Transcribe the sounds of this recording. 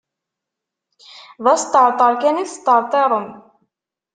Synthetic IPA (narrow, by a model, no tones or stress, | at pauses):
ðɑst̪ɑɾt̪ˤɑɾkɛniθst̪ɑɾt̪ˤɛɾˤən